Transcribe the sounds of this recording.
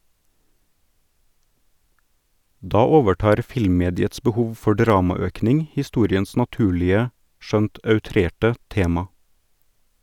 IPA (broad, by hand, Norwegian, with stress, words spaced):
ˈdɑː ˈoːʋəˌʈɑːɾ ˈfɪlmˌmeːdɪəts bəˈhuːʋ ˈfɔ ˈɖɾɑːmɑˌøːknɪŋ hɪˈstuːɾɪəns nɑˈtʉːlɪə ˈʃœnt œʉˈtɾeːʈə ˈteːmɑ